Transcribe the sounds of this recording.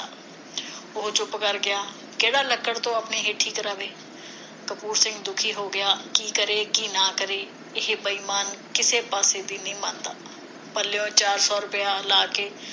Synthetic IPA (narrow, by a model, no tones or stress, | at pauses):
ʊɦt͡ʃʊpkəɾɡɪjaː | keːɽaːləkːəɽt̪õəpneɦeːʈʰːiːkɾəʋeː | kəpuːɾsɪ̃ŋɡd̪ʊkʰiɦoɡəjaːkiːkəɾeːkiːnaːkəɾeː | ɪɦbəiːmaːnkɪsepaːsed̪inɐɦĩmãːnd̪a̰ː | pəljõt͡ʃaːɾsɔːɾʊpəjalaːkeː